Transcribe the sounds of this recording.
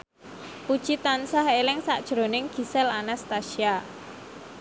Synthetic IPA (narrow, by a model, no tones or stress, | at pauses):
pud̥ʒ̥it̪ansaɦelɪŋsaʔd̥ʒ̥ɾonɪŋɡ̥i̤sɛlanast̪aʃia